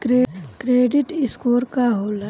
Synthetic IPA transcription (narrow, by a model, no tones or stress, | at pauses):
kɾekɾeːɖɪʈɪskoːɾkaɦoːla